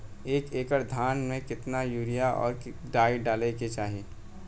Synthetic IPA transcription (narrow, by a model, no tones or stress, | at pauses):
eːkeːkəɾd̪ʱaːnmẽkɪt̪najuːɾijaʔɔ̰ːɾ | ɖaːiɖaːleket͡ʃaːɦieː